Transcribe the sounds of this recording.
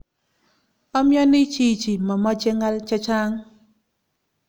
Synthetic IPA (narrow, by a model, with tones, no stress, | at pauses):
ɔ˦mjɔ˦nɪ˦t͡ʃi˦t͡ʃi˨ma˨mɔ˦t͡ʃe˦ŋa˦lt͡ʃa˦t͡ʃa˦ŋ